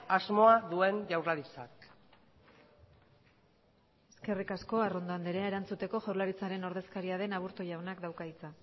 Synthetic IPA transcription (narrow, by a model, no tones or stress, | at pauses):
azmo̞aðue̞nʝawraðit͡sa̰k | e̞ske̞rikasko̞aro̞nd̪oand̪eɾeaeɾant͡sut̪e̞ko̞ʝaɾlaɾit͡saɾe̞no̞ɾðe̞skaɾiaðe̞naβuɾt̪ojawnakd̪awkait͡sa